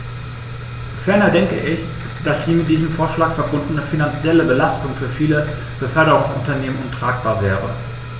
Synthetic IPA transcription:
fɛɐnɐdɛŋkə̰ʔɪç | d̥asz̥iːmɪt̚d̥iːzəmfoːɐʃlaːkfɛɐbʊndn̩əfinant͡sjɛləbəlastʊŋfyːɐfiːlə | b̥əfœɐɾəʁʊŋsʊntɐneːmənʔʊntʁ̥aːk̚b̥aːɐvɛːʁə̰

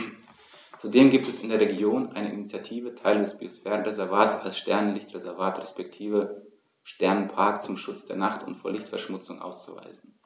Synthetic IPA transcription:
t͡sudeːmɡiːp̚tɛsɪndeːɐʁeɡjoːnʔa̰ɪnəʔinit͡sjatʰiːvətʰaɪlədɛsb̥iosfɛːʁənʁezɛɐvaːtsalsʃtɛɐnənlɪçtʁezɛɐvaːtʁɛspɛk̚tʰiːvə | ʃtɛɐnənpʰaɐkt͡sʊmʃʊt͡sd̥eːɐnaχtʊ̰ntfoːɐlɪçtfɛɐʃmʊt͡sʊŋʔa̰ʊst͡suva̰ɪzn̩

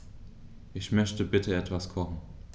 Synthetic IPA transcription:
ʔɪçmœçtəbɪtʰəɛtv̥askʰɔχn̩

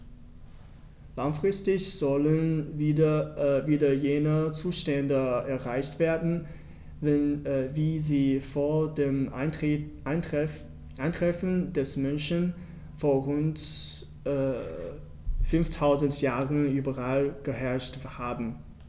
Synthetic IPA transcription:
laŋfʁ̥ɪstɪçz̥ɔlən | viːdɐjeːnət͡suːʃtɛndəɛɐʁaɪçtv̥eːɐdn̩ | ɛnviːziːfoːɐdeːm | ʔaɪntʁ̥ɛfn̩dɛsmœnçən | foːɐʁʊntː | fʏnftʰaʊzəntjaːʁənyːbɐʁalɡ̥əɦɛɐʃthaːbn̩

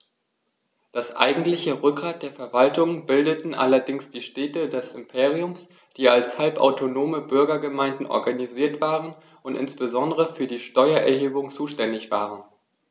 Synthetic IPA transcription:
d̥asʔa̰ɪɡŋ̩tlɪçəʁʏk̚ɡʁaːt̚d̥eːɐfɛɐvaltʊŋbɪldətn̩ʔa̰lɐdɪŋsd̥iːʃtɛːtədɛsɪmpʰeːʁ̞iʊms | d̥iːalshalpʔa̰ʊtʰonoːməbʏɐɡɐɡəmaɪndn̩ʔɔ̰ɐɡaniziːɐtv̥aːʁən | ʊntʔɪ̰nsb̥əzɔndəʁəfyːɐdiːʃtɔʏɐʔɛ̰ɐheːbʊŋt͡suːʃtɛndɪçv̥aːʁən

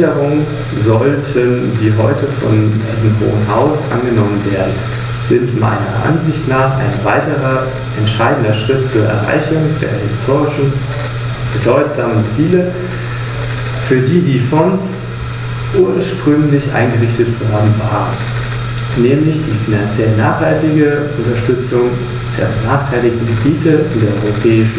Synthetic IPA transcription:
əʁʊŋ | zɔltʰənziːɦɔ̰ʏtəfɔ̰ndiːzəmɦo̰ːənɦa̰ʊsʔa̰nɡənɔmənveːɐdn̩ | sz̥ɪntma̰ɪnɐʔa̰nzɪçtnaːχʔa̰ɪnvaɪtəʁɐ | ʔɛntʃaɪdn̩dɐʃʁ̥ɪt̚t͡suːɐʔɛ̰ɐʁa̰ɪçʊŋd̥eːɐhɪstʰoːʁɪʃn̩ | b̥ədɔʏtz̥aːmənt͡siːlə | fyːɐdiːdiːfɔns | ʔuːɐʃpʁ̥ʏŋlɪçʔa̰ɪnɡəʁɪçtətvɦaːbm̩vaːʁən | nɛːmlɪçd̥iːfinant͡sjɛlnaːχhaltɪɡə | ʊntɐʃtʏt͡sʊŋ | d̥ḛːɐbənaːχtʰaɪlɪçtn̩ɡəbiːtʰəɪ̰ndeːɐʔɔʏʁopʰɛːɪʃn̩

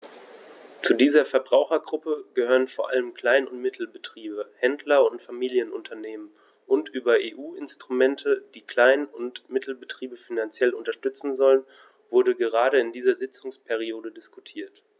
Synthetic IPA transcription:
t͡sudiːzɐfɛɐbʁaʊxɐɡʁʊpəɡ̥əhøːʁənfoːɐʔa̰ləmkl̥aɪnʊntmɪtʰl̩bətʁ̥iːbəhɛndlɐʊntfamiːljənʊntʰɐneːmən | ʔʊntʔyːbɐʔeːʔuːʔɪnstʁ̥umɛntʰəd̥iːkl̥aɪnʊntmɪtʰl̩bətʁ̥iːbəfinant͡sjɛlʊntɐʃtʏt͡sn̩zɔlən | vʊɐdəɡəʁ̞aːɾəɪndiːzɐzɪt͡sʊŋspʰɛʁioːdədɪskutʰiːɐt

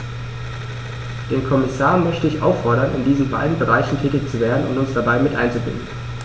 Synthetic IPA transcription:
d̥eːnkʰɔmɪsaːɐmœçtəɪçʔa̰ʊfɔɐɾɐnʔɪ̰ndiːzn̩ba̰ɪdn̩bəʁ̞aɪçn̩tʰɛːtɪçt͡suveːɐdn̩ʊ̰ntʊnsd̥abaɪmɪtʔa̰ɪnt͡subɪ̰ndn̩

